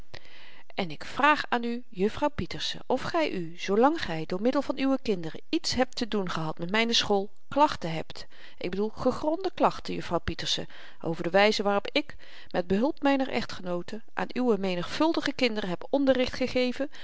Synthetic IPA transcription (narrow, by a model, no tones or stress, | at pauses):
ɛnɪkfraːχaːny | jɵfrɑwpitəɹsə̰ʔɔfχɛjʔy | z̥owlɑŋχɛjdʊːɹmɪdəlˠvɑnyʋəkɪndərəitsɦɛp̚tədunχəɦɑtmɛtmɛjnəsχoːlˠ | klɑχtəɦɛpt | ʔɪɡ̚bədulˠχəχrɔndəklɑχtəjɵfrɑwpitəɹsə | ʔo̰wvəɹdəʋɛjzəʋaːrɔpɪk | mɛd̚bəɦɵlˠpmɛjnəɹʔɛ̰χtχənowtəʔa̰ːnyʋəmejnəχfɵlˠdəχəkɪndərəɦɛpɔndərɪχtχəχejvə